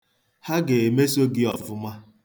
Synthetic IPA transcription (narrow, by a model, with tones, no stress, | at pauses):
ha˦ɡe˨e˨me˦so˦ɡɪ˦ɔ̰˨vʊ˦ma˦